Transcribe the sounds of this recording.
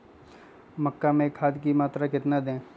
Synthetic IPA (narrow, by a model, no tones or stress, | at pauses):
mɐkːamẽkʰaːd̪kimaːt̪ɾakɪt̪nad̪ẽː